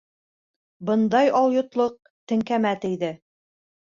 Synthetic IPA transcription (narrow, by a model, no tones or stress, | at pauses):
bɤ̆nd̪ɑjɑlˠjŏt̪lˠoq̚ | t̪ɘ̆ŋkæmæt̪ɘ̆jðɘ